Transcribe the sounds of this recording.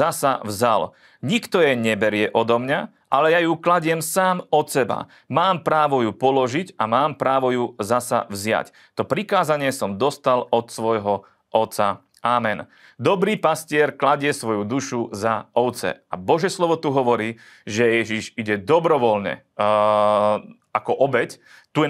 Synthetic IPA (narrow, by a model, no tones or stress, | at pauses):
asavzal | ɲikt̪ɔjɛɲɛbɛɾɪɛʔɔd̪ɔmɲa | ʔalɛjajuklaɟɪɛmsaːmɔt̪sɛba̰ | maːmpɾaːʋɔjupɔlɔʒicamaːmpɾaːʋɔjuzasa̰vzɪa̰c | t̪ɔpɾikaːzaɲɪɛsɔmd̪ɔst̪alɔt̪sʋɔjɦɔ | ʔɔt̪sa | ʔamɛn | d̪ɔbɾiːpascɪɛɾklaɟɪɛsʋɔjud̪uʃuzaɔʊt̪t͡sɛ̰a̰bɔʒɛslɔʋɔt̪uɦɔʋɔɾiː | ʒɛjɛʒiʒiɟɛd̪ɔbɾɔʋɔlɲɛ̰ | akɔʔɔbɛc | t̪uɛ